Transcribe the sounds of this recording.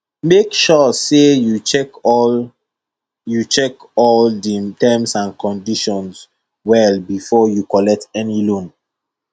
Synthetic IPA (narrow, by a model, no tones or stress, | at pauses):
mekʃɔsejut͡ʃɛk | jut͡ʃɛk | ɔlditɛ̃msãnkʰɔ̃ndiʃɔ̃ns | wɛlbifɔjukɔlɛk̚tɛnilõn